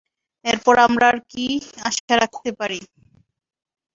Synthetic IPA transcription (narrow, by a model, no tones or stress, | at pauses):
eɾpɔɾamɾaɾkia̰ʃaɾak̚ʰt̪epaɾi